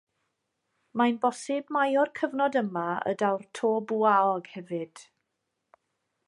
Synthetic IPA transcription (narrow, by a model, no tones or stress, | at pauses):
majnbɔsɪbmajɔrkʰəvnɔdəmaə̰dawrtʰoːbuaɔɡhɛvɨd̥